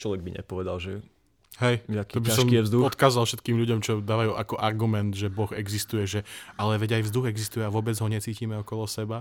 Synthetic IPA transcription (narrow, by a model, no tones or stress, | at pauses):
t͡ʃlɔʋɛɡ̚biɲɛ̰pɔʋɛd̪alʒɛ | ɦɛjatkɔbisasɔʃmkijɛvzd̪uɔt̪kaːzalˠfʃɛt̪kiːmʎuɟɔmt͡ʃɔd̪aːʋajuːʔakɔʔaɾɡumɛnd̪ʒɛbɔɣɛɡzist̪ujɛʒɛalɛʋɛɟajvzd̪uɣɛɡzist̪ujɛaʋʊɔbɛd͡zɦɔɲɛt͡siːciːmɛɔkɔlɔsɛba